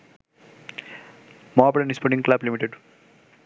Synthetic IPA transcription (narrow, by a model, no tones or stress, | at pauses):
mɔaːpɽɐnispɔɾʈĩŋklablimiʈeɖ